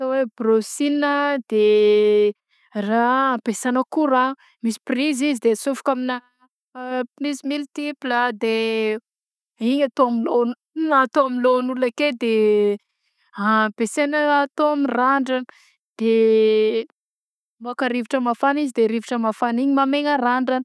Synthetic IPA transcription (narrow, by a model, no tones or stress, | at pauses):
tawebrosinəd̪e | raapesanəkuɾa | misi̥prizizid̪esufu̥kaminə | pinizmilt̪iplad̪e | iɲat̪oamilon | at̪oamilonulaked̪e | apesenəaːt̪oamiraɳɖ͡ʐanə̥ | d̪̥e | muakəɾiviʈ͡ʂəmafanizid̪eɾiviʈ͡ʂəmafaniɲimameŋəraɳɖ͡ʐanə